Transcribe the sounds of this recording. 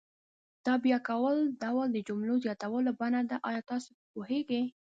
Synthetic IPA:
d̪̥ɑbjakawəld̪awald̪əd͡ʒʊmlozjɑt̪awəlabanad̪aʔɑjɑt̪ɑso | poheɡe

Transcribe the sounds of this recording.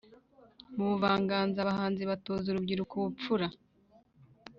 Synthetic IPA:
muβuvaːŋɡaːnzaβaɦaːnziβatoːzuɾubɟiɾukuβup͡fuɾa

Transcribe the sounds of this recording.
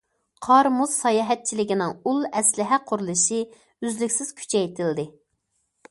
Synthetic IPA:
qʰɑɾmuz̥sɑjɑːɦɛt̪̚t͡ʃʰilɪkʲinɪŋulˠɛslɪɦɛqʰʊɾulˠɨʃi | yzlykʲsɪz̥kʲʰy̥t͡ʃʰɛjt̪ʰɪld̪ɪ

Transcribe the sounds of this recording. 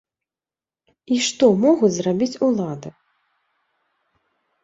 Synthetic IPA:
iʂt̪ɔmɔɣut͡sʲzrabʲit͡sʲulˠad̪ɨ

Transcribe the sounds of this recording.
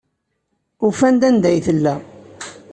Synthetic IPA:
ufænd̪ænd̪æjθəlːæ

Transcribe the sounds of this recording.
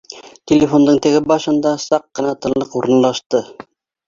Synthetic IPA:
t̪ʲelʲefo̞nd̪ɤɴt̪ɘ̆ɡɘbɑʃɤ̆nd̪ɑsɑqːɤ̆nɑt̪ɤ̆nlˠɤquɾɤ̆nlˠɑʃt̪ɤ

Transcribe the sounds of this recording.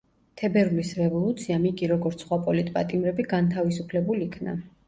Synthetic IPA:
t̪ʰɛbɛɾlisɾɛvɔlˠut̪sʰiamikʼiɾɔɡɔɾt̪sʰχwapʼɔlit̪ʼpʼa̰t̪ʼimɾɛbiɡant̪ʰavisupʰlɛbulikʰna̰

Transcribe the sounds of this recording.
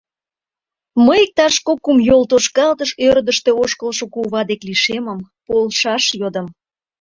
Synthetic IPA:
məjk̚t̪ɑʃkokːumjolt̪oʃkɑlt̪əʃøɾd̪əʃt̪e̽oʃkəlʃokuβɑd̪ekliʃeməmpolʃɑʃjod̪ə̆m

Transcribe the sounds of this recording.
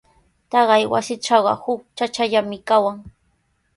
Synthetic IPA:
t̪ɑɢɑjwa̰sɪt͡ʃɑwɢɑ̰hʊk̚t͡ʃat͡ʃaʎamɪkawaŋ

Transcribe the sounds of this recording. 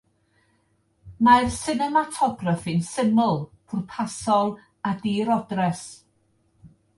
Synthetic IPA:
marsɪnɛmatʰɔɡrafinsɪmʊlˠpʰʊrpʰasɔlˠ | adiɾɔdrɛs

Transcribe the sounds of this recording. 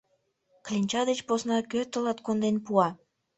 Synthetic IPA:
klʲinʲt͡ɕɑd̪et͡ɕposnɑkøt̪əlɑt̪kond̪enpuɑ

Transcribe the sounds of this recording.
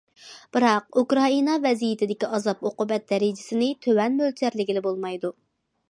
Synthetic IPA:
b̥ɨɾɑq̚ukɾɑinɑvɛzijɪt̪ʰɪd̪ɪkʲiɑzɑpoqʊbɛt̪̚d̪ɛɾid͡ʒɪsɪnɪt̪ʰøwɛnmølt͡ʃ̪ʰæɾlɪɡʲilɪbolˠmɑjd̪u

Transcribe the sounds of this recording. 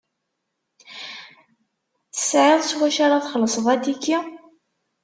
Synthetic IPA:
θə̥sʕɪðˤswæʃaɾaθχəlːəsˤəðˤæt̪ikːi

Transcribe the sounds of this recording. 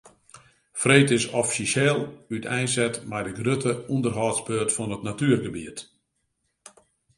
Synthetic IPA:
freːtɪsɔfisɛlˠytʰɛjnsɛtmɛjdəɡrøtʰəundərɦɔːtsbøːtfɔnətnatyərɡəbḭət

